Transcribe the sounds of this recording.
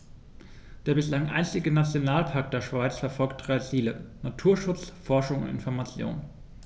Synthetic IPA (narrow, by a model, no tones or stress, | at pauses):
d̥eːɐbɪslaŋʔa̰ɪnstɪɡənat͡sjonaːlpʰaɐk̚d̥eːɐʃv̥aɪt͡sfɛɐfɔlkt̚d̥ʁaɪt͡siːlənatʰuːɐʃʊt͡sfɔɐʃʊŋʊ̰ntɪ̰nfɔɐmat͡sjo̰ːn